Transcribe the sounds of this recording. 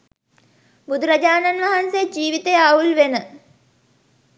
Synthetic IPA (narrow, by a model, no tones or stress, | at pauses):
bud̪ʱuɾɐd͡ʑaːnanʋɐɦansed͡ʒiːʋit̪ejaːulʋenə